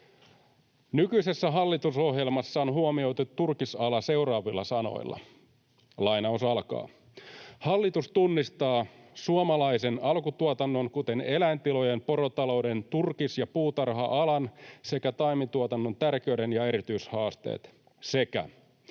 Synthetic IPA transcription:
nykyise̞sːæɦɑlːit̪uso̞ɦje̞lmɑsːɑonɦuomio̞jt̪ut̪ːurkisɑlɑse̞wrɑːʋilːɑsɑno̞̰ḭlːɑ̰ | lɑjnɑusɑlkɑ̰ː | hɑlːit̪ust̪unːist̪ɑːsuomɑlɑjse̞nɑlkut̪uot̪ɑnːo̞nkut̪e̞ne̞læːnt̪ilo̞je̞mpo̞ɾot̪ɑlo̞wde̞nt̪urkisjɑpuːt̪ɑrɦɑʔɑlɑnse̞kæt̪ɑjmit̪uot̪ɑnːo̞nt̪ærk̟eɥde̞njɑe̞ɾit̪yishɑːst̪e̞̰ːt̪ | se̞kæ̰

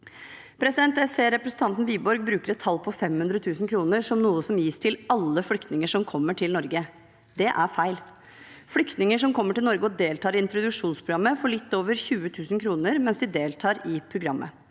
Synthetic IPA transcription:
pʰɾɛsɪd̪ɛnt̪æseːɾɛpɾəsn̩t̪ʰɑnt̪n̩biːbɔɾɡ̚bɾʉːkəɾɛt̪ʰːɑlːpʰɔfɛmhʉnd̪ɾət̪ʰʉːsn̩kʰɾuːnəɾʂɔmnuːəsɔmjiːst̪ʰɪlɑlːəflʏkt̪nɪŋəʂɔmkʰɔmːəʈʰɪlnɔɾɡə | d̪ɛʔæɾfæɪl | flʏkt̪nɪŋəʂɔmkʰɔmːəʈɪlnɔɾɡəɔd̪eːlt̪ʰɑːɾɪɪnt̪ɾʊd̪ʉʂuːnspʰɾʊɡɑmːəfɔɭɪt̪ːoːʋəɾçʉːət̪ʰʉːsn̩kʰɾuːnəɾmɛnsd̪ɪd̪eːlt̪ʰɑːɾɪpʰɾʊɡɾɑmːʔə̰

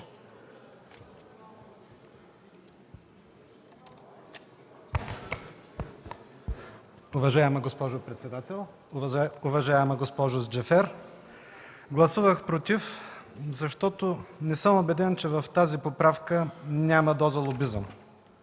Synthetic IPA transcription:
ʊvɐʒaɛmɐɡospɔʒʊpɾɛt̪sɛd̪at̪ɛlˠ | ʊvɐʒaɛmɐɡospɔʒʊd͡ʒɛfɛɾ | ɡlˠɐsuvəxpɾot̪if | zɐʃt̪ɔt̪onɛsəmobɛd̪ɛnt͡ʃɛvɐft̪azipopɾafkənʲamɐd̪ɔzəlˠobizəm

